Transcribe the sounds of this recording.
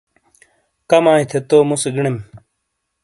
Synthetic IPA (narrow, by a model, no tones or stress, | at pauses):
kɐmaːɦit̪ʰet̪oːmuseɡiɳem